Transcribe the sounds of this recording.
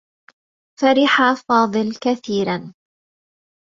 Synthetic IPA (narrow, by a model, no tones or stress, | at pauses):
faɾɪħaːfɑːðˤɨlkaθiːɾan